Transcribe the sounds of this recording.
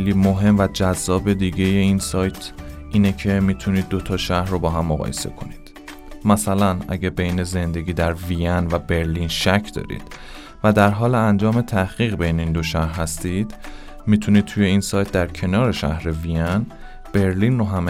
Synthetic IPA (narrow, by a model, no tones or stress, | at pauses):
eliːmoɦe̞mvæd͡ʒæzːɒːbe̞d̪iːɟejeiːnsɒːjt̪ʰʔiːnecʰe̞miːt̪ʰuniːd̪̚ːo̞t̪ʰɒːʃæhrobɒːɦæmːoɣɒ̰ːjese̞̰kʰoniːd̪̥ | mæsælænʔæ̰ɟæbe̞jne̞ze̞nd̪e̞ɡʲiːd̪æɾvijænvæbe̞ɾliːnʃæcʰd̪ɒ̰ːɾḭːd̪̥ | væd̪æɾɦɒːleænd͡ʒɒːme̞t̪ʰæhɣ̥iːɣbe̞jneind̪o̞ʃæhɦæst̪iːd̪ | mit̪ʰuniːd̪̚t̪ʰuje̞insɒːjt̪̚ʰd̪æɾcʰe̞nɒːɾe̞ʃæ̰hɾe̞vijæn | b̥e̞ɾliːnroɦæm